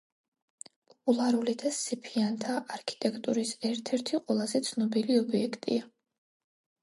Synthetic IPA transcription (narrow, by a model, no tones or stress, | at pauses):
pʼɔpʼulˠaɾulid̪asɛpʰiant̪ʰaʔːɾkʰi̥t̪ʼɛkʰt̪ʼuɾisɛɾt̪ʰɛɾt̪ʰiqʼwɛlˠazɛt̪sʰnɔbiliɔbiɛkʰt̪ʼḭa